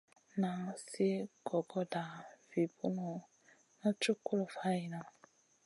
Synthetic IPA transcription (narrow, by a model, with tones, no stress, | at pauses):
na˨si˦ɡɔ˨ɡɔ˦da˨vi˨bu˦nɔ˨ | na˦t͡ʃu˦ku˦lɔ˨fa˦i˨na˨